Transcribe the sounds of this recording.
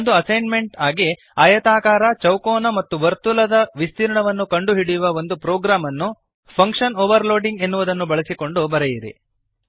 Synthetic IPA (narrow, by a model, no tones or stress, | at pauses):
ond̪uɐsɐjnme̞ɳʈaːɡi | aːjɐt̪aːkaːɾɐt͡ʃɐwkɔːnɐmɐt̪ːuʋɐɾt̪ulɐd̪ɐʋist̪iːɾɐɳɐʋɐnːukɐɳɖuɦiɽijuʋɐʋo̞nd̪upɾɔːɡɾaːmɐnːu | pʰɐŋkʂɐnoːʋɐɾloːɖiŋɡe̞nːuʋud̪ɐnːubɐɭisiko̞ɳɖubɐɾejiɾḭ